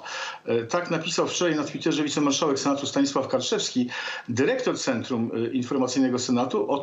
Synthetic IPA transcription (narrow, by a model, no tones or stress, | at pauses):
t̪aknapʲisawft͡ʂɔɾajnat̪wʲit̪ɛʐɛvʲit̪sɛmaɾʂawɛksɛnat̪ust̪aɲiswafkaɾt͡ʂɛfskʲid̪ɘɾɛkt̪ɔɾt̪sɛnt̪ɾuminfɔɾmat̪sɘjnɛɡɔsɛnat̪uʔɔ